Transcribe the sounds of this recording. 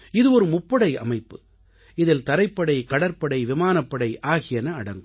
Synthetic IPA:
ɪðɯɔɾɯmʊpːɐɽɐɪɐ̰mɐɪpːɯ | ɪðɪlt̪ɐɾɐɪpːɐɽɐɪkɐɽɐɾpːɐɽɐɪʋɪmaːnɐpːɐɽɐɪʔaːɣɪjɐnɐːɽɐ̰ŋɡɯ

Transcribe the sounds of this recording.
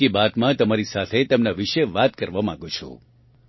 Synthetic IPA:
ibat̪mãt̪əmaɾisat̪ʰet̪əmnaʋiʃeʋat̪kəɾʋamãɡõt͡ʃʰo̰

